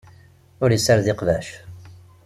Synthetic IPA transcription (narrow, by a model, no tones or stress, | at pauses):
ʊɾjəsæɾðɪqvæʃ